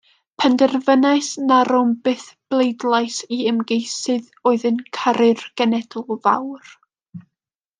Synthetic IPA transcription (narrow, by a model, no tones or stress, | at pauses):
pʰɛndɛrvənajsnaɾʊmbɨθb̥lˠejdlˠajsiəmɡejsɨð | ɔɨðɨnkʰaɾɨrɡ̥ɛnɛdʊlˠva̰wr